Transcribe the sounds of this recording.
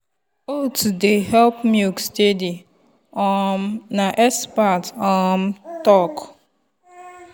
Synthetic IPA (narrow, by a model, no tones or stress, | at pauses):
otudeɦɛlpmiɡstedi | ɔmnaʔɛspatɔmtɔk